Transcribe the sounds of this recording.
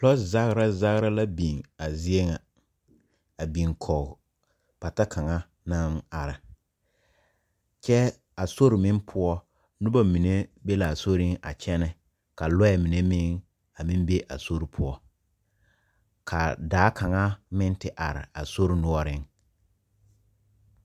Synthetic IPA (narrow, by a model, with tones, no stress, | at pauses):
lɔ˦sza˦ɣɾa˦za˦ɣɾa˦la˦bi˨ŋa˨zi˦e˦ŋa˨ | a˨bi˨ŋkʰɔ˨ɣ | pa˨ta˦kʰa˨ŋa˦ | na˦ma˨ɾɪ˨ | t͡ʃɛ˦ | a˨so˦ɾɪ˨mɪ˦npʰʊ˦ɔ˦ | nʊ˦ba˦mi˨ne˦be˦la˨so˦ɾɪ˦ŋʔa̰˨t͡ʃɛ˦nɛ˨ | ka˨lɔ˦ɛ˨mi˨ne˦mɪ˦ŋ | a˨mɪ̃˦mbe˦ʔa̰˨so˦ɾi˨pʰʊ˦ɔ˦ | kʰa˨daː˨˦kʰa˨ŋa˦mɪ̃˦n˦tɪ˨ʔa˨ɾɪ̰˨a˨so˦ɾi˨nʊ˦ɔ˦ɾɪ˦ŋ